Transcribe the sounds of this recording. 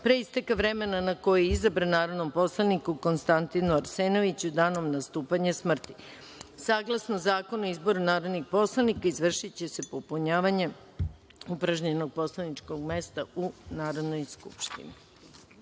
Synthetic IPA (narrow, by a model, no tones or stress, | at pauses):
pɾeist̪ekaʋɾe̞me̞nanako̞jeizabɾanaːɾo̞d̪no̞mpo̞slˠanikuko̞nst̪ant̪inuaɾseːno̞ʋit͡ɕud̪aːno̞mnast̪uːpaɲesmr̩t̪i | saːɡlˠasnozaːko̞noizbo̞ɾunaːɾo̞d̪nixpo̞slˠanikaizʋr̩ʃit͡ɕe̞se̞popuɲaːʋaɲe̞ | upɾaʒɲeno̞ɡ̚po̞slˠanit͡ʂko̞ɡme̞st̪aunaːɾo̞d̪no̞jskṵpʃt̪ḭnḭ